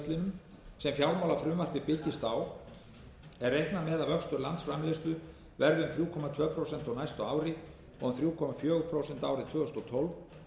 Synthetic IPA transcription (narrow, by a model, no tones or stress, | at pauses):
t̪lɪnʏm | sɛmfjawɾmawlafɾʏmvar̥t̪vɪpɪcɪst̪aːw | ɛɾːejhknamɛðavœkst̪ʏɾlant̪sfɾamlest̪ʏ | vɛɾðɪʏmθɾjuːkʰɔmat̪ʰvœːpʰɾowsɛn̥t̪ɔɣnajst̪ɔawɾɪ | ɔɣʏmθɾjuːkʰɔmafjœːɣʏpʰɾowsɛnt̪aːwɾɪt̪ʰvœːɣʏst̪ɔt̪ʰɔlv